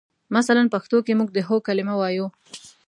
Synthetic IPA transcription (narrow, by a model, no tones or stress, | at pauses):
masalanpaxt̪okemuɡ̚d̪əɦokalɪmawɑju